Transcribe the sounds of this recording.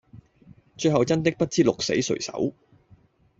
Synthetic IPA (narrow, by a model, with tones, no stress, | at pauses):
t͡ʃɵ˧ɦɐ˨wt͡sɐ˥nt̪ɪ˥k̚pɐ˥t̚t͡siː˥lʊ˨k̚sḛ˨˥jsɵ̰˨˩ɥsɐ̰˨˥w